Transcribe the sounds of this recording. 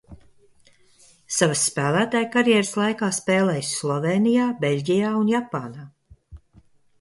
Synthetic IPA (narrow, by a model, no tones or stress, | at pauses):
savəsːpæːlˠæːt̪aːjkaɾjɛɾɨslˠajkaːspeːlˠɛjsːlˠɔveːnijaːbeʎʲɟʲijaːunjapaːnaː